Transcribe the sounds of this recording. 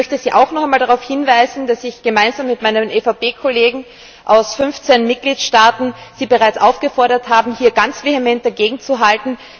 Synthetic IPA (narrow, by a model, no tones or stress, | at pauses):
œçtəziːʔa̰ʊxnɔχaɛɪmaːldaʁaʊfhɪnvaɪzn̩d̥asɪçɡ̥əmaɪnzaːmːɪtmaɪnəmʔeːfapeːkʰoleːɡŋ̩ | ʔaʊsfʏnft͡senmɪt̚ɡ̥liːtʃtaːtn̩z̥iːbəʁaɪt͡sʔaʊfɡ̥əfɔɐɾɐthaːbm̩hiːɐɡant͡sv̥eːhemɛnt̚d̥ɐɡeːɡŋ̩t͡suɦaltn̩